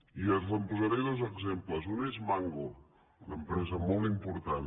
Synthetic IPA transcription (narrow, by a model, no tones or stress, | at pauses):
iəzləmpuzaɾeðozəɡzempləzunezmaŋɡo | unəmpɾɛzəmɔlˠt̪impuɾt̪an